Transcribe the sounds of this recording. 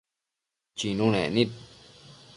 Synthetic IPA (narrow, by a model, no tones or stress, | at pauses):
t͡ɕinunɛ̰nit̚